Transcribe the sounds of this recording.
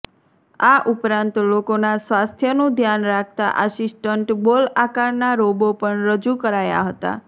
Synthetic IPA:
aʔupɾãnt̪lokonasʋast̪ʰjənũd̪ʱjanɾak̚ʰt̪a̰ʔəsisʈəɳʈbolakaɾnaɾobopəɳɾəd͡ʒukəɾaja̰ɦət̪a̰

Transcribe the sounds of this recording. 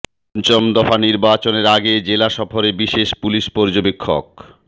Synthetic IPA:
nt͡ɕomd̪ɔfaniɾbat͡ɕoneɾaɡed͡ʑelaʃɔfoɾebiʃeʃpuliʃpɔɾd͡ʑobekʰːo̰k̚

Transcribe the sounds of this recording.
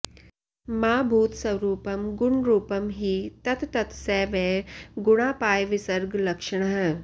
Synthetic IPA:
maːbʱuːt̪sɐwɾuːpɐmɡʊɳɾuːpɐmɦiːt̪ɐt̪t̪ɐt̪seːʋeːɡʊɽ̃aːpaːjʋisɐɾɡlɐkʂɐɳ̃ɐɦə

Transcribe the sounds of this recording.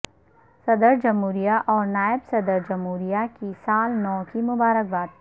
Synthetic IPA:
sɐd̪əɾd͡ʒɐmɦuːɾijaʔɔːɾnaːɪbsɐd̪əɾd͡ʒɐmɦuːɾijakisaːlnɔːkimʊbaːɾək̚baːd̪̚

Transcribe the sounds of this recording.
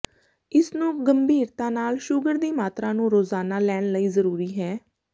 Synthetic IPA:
ɪsnũːɡəmbiːɾt̪ãːnaːlʃʊɡəɾd̪iːmaːt̪ɾãːnũːɾoːzaːnaːlɛːɳləiːzəɾuːɾiːɦɛː

